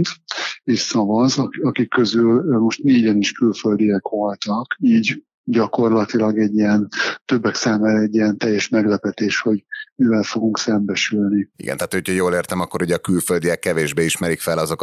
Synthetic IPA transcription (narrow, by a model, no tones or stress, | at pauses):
t̪eːʃsɒvɒzɒɒkikːø̞zylːmo̞ʃt̪neːɟɛniʃkylføld̪ijɛkʋo̞lt̪ɒkiːɟ | ɟɒko̞rlɒt̪ilɒɡɛɟːijɛnt̪ø̞bːɛksaːmaːɾɛɟːiɛnt̪ɛjːɛʃmɛɡlɛpɛt̪eːʃho̞ɟmivɛlfo̞ɡuŋksɛmbɛʃylniḭɡɛ̰nt̪aːt̪hohocʰɒjoːleːrt̪ɛmɒkːoɾuɟɛːkylføld̪ijɛkːɛveːʒbeːiʃmɛɾikfɛlɒzok